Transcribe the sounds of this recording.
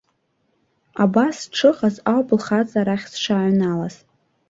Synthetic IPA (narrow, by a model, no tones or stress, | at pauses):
abasʈ͡ʂʰɨqazawblχat͡sʼaɾaχʲsʂaʕʷnalaz